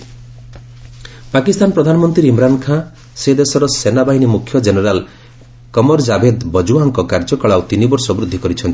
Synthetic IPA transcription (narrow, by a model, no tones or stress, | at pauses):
pakist̪anɔpɾɔd̪ʱanɔmɔnt̪ɾiɾimɾankʰa | sed̪esɔɾɔsenabaɦinimukʰːjɔd͡ʒeneɾal | kɔmɔɾd͡ʒabed̪bɔd͡ʒuaŋkɔkaɾd͡ʒɔkɔɭawt̪inibɔɾsɔbɾud̪ʱːikɔɾit͡ʃʰɔnt̪i